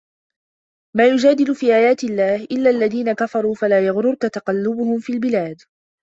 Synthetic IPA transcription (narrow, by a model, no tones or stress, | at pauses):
maːjʊd͡ʒaːd̪ɪlʊfiːʔaːjaːt̪ɪlːaːhʔɪlːaːʔlːaðiːnakafɑɾˤuːfalaːjaɣɾʊɾkat̪ɑqɑlːʊbʊhʊmfiːlbɪlaːd̪